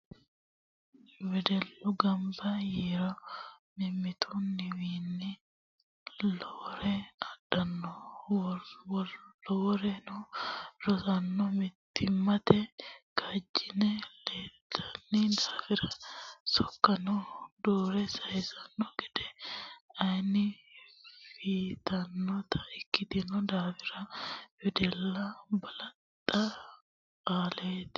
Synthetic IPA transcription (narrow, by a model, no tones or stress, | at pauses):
wɛd̪ɛlːʊɡɐmbɐjiːɾɔmɪmːɪt̪ʰʊnɪwiːnːɪ | loːɾɛɐdːɐnːɔ | wɔlɔːɾɛnʊɾɔsɐnːɔmɪt̪ːɪmːɐt̪ɛkʰɐd͡ʒːɪnɛleːt̪ːɐnːɪd̪aːfɪɾɐsɔkːɐnɔd̪oːɾɛsɐjsɐnːɔɡɛd̪ɛ | ɐjnɪ | fiːt̪ɐnːɔt̪ʰɐ̥ɪkːɪd̪ɪnɔd̪aːfɪɾɐfɪd̪ɛlːɐbɐlɐt̪ʼːɐ | aːleːt̪